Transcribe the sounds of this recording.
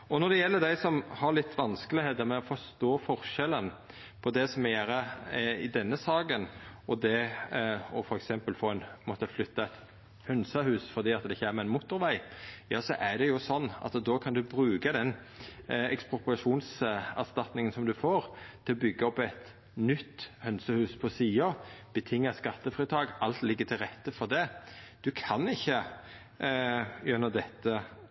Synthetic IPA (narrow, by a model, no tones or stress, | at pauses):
ɔnɔɾd̪ɛjɛlːəɾd̪æɪsɔmhɑɾlɪt̪ʰːʋɑnskəlɪheːd̪əɾmɛɔfɔʂt̪oːfɔɾʃɛlən | pʰɔd̪ɛsɔmjæːɾəɪd̪ɛnːəsɑːɡənɔd̪ɛ | ɔfɔɾɛksɛmpəlfoːɛnmɔt̪ːəflʏt̪ːɑɛt̪ | hʉnsəhʉːsfɔɾd̪iːɑt̪d̪ɛɪçːəæɾmɛɪnmʊt̪ːʊɾʋæɪjɑːsɔʔæɾd̪ɛjʊsɔnːɑ̰t̪d̪ɔːkʰɑnd̪ʉbɾʉːkəd̪ɛn | ɛkspʊpɾɑʂuːnsæ̰ɾst̪ɑt̪nɪŋənsɔmd̪ʉfoːɾt̪ʰɪlɔbʏɡːəɔpɛt̪ | nʏt̪ːhœnsəhʉːspʰɔsiːɑb̥ət̪ʰɪŋːɑskɑt̪ːəfʁiːt̪ʰɑːɡʔɑlt̪lɪɡːət̪ʰɪlɾɛt̪ːəfɔɾd̪ɛd̪̥ʉkʰɑnɪçːə | jœnəd̪ɛt̪ːə